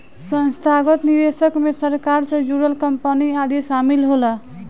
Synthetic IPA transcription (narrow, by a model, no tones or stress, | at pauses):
sʌnst̪ʰaɡət̪niɾesəkmesəɾkaɾsʌ̃d͡ʒuɾəlkʌmpəniad̪esamilɦolʌ